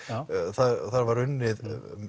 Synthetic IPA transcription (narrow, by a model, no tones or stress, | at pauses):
θaɾθaɾvaɾʏnːɪðm